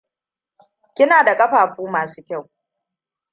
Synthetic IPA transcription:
kʲɪ˦naː˨da˨kʼɐ˦ɸaː˨ɸuː˦maː˨su̥ː˦kʲa˦˨w

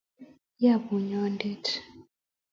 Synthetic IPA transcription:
ja˦˨bu˨ɲɔ˦ndɛ˦tʰ

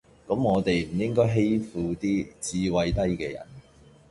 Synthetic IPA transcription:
kɐ˨˥mŋɔː˨˧t̪e˨jm̩˨˩jɪ˥ŋkɔː˥jɦe˥jfuː˨t̪iː˥t͡siː˧wɐ˧jt̪ɐ˥jkɛː˧jɐ̰˨˩n

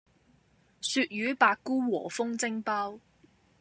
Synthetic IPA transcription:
syː˧t̚jyː˨˥paː˧kkːuː˥wɔː˨˩fʊ˥ŋt͡sɪ˥ŋpɐː˥w

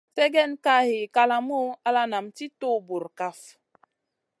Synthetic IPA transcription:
fɛ˦ɡɛ˦˨nka˦˨he˨ka˦la˨mo˦a˦la˦na˨mti˦to˦˨bu˨ɾka˦f

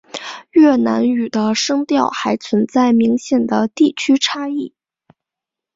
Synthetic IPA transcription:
ɥɛ˥˩na˧˥ny˨˩d̪ə˦ʂɤ˥ŋt̪jɑ˥˩ʊxa˧˥ɪt͡sʰwə˧˥nt͡sa˥˩ɪmi˧˥ŋɕjɛ˨˩nd̪ə˦t̪i˥˩t͡ɕʰy˥ʈ͡ʂʰa˥i˥˩

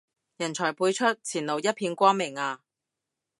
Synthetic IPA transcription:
jɐ˨˩nt͡sʰɔː˨˩jpuː˧jt͡ʃʰɵ˥t̚t͡sʰiː˨˩nlo˨˩wjɐ˥t̚pʰiː˧nkʷɔː˥ŋmɪ˨˩ŋaː˧

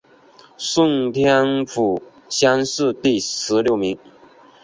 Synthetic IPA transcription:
sʊ˥˧ŋt̪ʰjɛ˥nfu˨˩ | ɕjɑ˥nsɹ̩˥˧t̪i˥˩ʂɻ̩˧˥ljo˥˩ʊmi˨˧˥ŋ

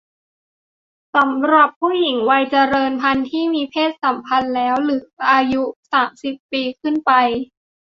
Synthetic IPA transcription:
sa˩˦mɾa˨˩pʰːuː˥˩ji˨˩˦ŋwa˧jt͡ɕa˧ɾɤː˧npʰa˧nt̪ʰiː˥˩miː˧pʰeː˥˩t̪̚sa˨˩˦mpʰa˧nlɛː˦˥wlɯː˩˦ʔaː˧ju˦˥saː˩˦msi˨˩pːiː˧kʰɯ˥˩npa˧j

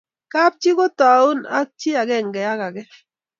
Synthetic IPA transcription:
ka˦p̚t͡ʃi˦ko˦ta˨u˦na˦k̚t͡ʃi˦a˨kɛ˦˨ŋɡɛ˨ja˦ka˨ɡɛ˦

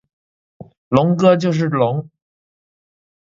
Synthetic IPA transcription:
lʊ˧˥ŋkɤ˥t͡ɕjo˥˧ʊʂ̬ɻ̩˥˩lʊ˧˥ŋ

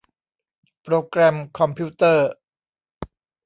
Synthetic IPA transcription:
pɾoː˧kɾɛ˧mkʰɔ˧mpʰi˦˥t̪ɤː˥˩

